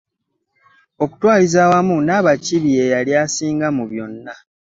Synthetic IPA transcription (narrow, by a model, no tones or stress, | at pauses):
o̞ku̥twaːlizawamunaːβaciβiejaljaːsiːŋɡamuβjo̞nːa